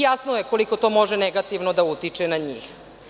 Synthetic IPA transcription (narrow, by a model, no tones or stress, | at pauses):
jasnojeko̞liko̞t̪omo̞ʒɛneɡat̪iʋnod̪aut̪it͡ʂenaɲḭːx